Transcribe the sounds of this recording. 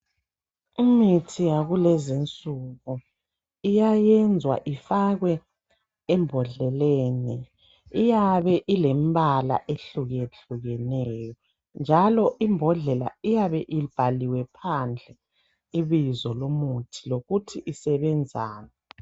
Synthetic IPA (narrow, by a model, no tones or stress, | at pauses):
imitʰijaɣulɛzint͡sʼuɣu | ijajɛnd͡zʱwa̰ʔifaɣwɛː | mbʱɔɮɛleni | ijaβɛʔilembʱala̰ʔeɬuɣeɬuɣɛnɛjɔ | nd͡ʒʱalɔʔimbʱɔɮɛla̰ijaβɛʔib̥ʱaliwɛpʰand͡ɮʱɛ | iβizɔlomutʰiloɣutʰiʔisɛβɛnd͡zʱa̰ːnɛ